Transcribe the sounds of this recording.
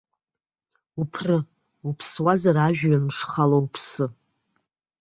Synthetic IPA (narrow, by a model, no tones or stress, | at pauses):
upʰrɨ | upʰswazaɾaʒᶣɥamʂχalowpʰsɨ